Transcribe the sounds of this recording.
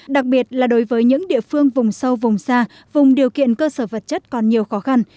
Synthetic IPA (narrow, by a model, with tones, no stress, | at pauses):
ɗa˨˩k̚ɓi˨˩ət̚laː˨˩ɗo˨˦jvəː˨˦jɲɨ̰˧˥ŋɗḭ˧˨əfɨ˧əŋvʊ˨˩ŋ͡msə˧wvʊ˨˩ŋ͡msaː˧ | vʊ˨˩ŋ͡mɗi˨˩əwkḭ˧˨ənkəː˧səː˧˩və˨˩t̚t͡ɕə˦˥t̚kɔ˨˩nɲi˨˩əwxɔ˨˦xa˧n